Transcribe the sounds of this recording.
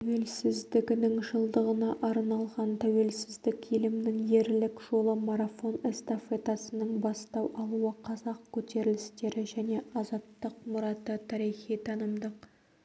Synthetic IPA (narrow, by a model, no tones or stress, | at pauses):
t̪ʰæwe̞lsɪzd̪ɪɡʲɪnɪŋʒəlˠd̪əʁənɑʔɑɾnɑlˠʁɑnt̪ʰæwe̞lsɪzd̪ɪkʲelɪmnɪŋje̞ɾlɪkʒ̥o̞lˠəmaɾafo̞nest̪afet̪asənəɴbɑst̪ɑwʔɑlˠuəqʰɑzɑq̚kʲʰɵt̪e̞ɾɪlɪst̪e̞ɾɪʒæne̞ʔɑzɑt̪ːəqmʊɾɑt̪ət̪ʰɑɾijχijt̪ʰɑnəmd̪əq